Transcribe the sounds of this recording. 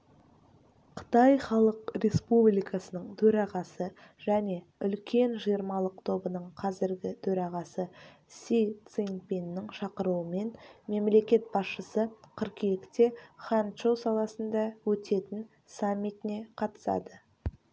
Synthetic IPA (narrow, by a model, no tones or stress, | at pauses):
qʰə̥t̪ɑjχɑlˠəqrʲe̞spublijkɑsənəɴt̪ʰɵɾɑʁɑsə | ʒ̥æne̞ | ʏlkʲe̞nʒijəɾmɑlˠəq̚t̪ʰo̞bənəɴqʰɑzɪɾɡʲɪt̪ʰɵɾɑʁɑsə | sʲit̪siŋpʲinːɪŋʃɑqəɾuwəme̞nme̞mle̞kʲe̞t̪̚bɑsʃəsəqʰəɾkekʲt̪e̞χɑnʃowsɑlˠɑsənd̪ɑwɵt̪e̞t̪ɪn | samʲːit̪ɪne̞qʰɑt̪ə̥sɑ̰d̪ə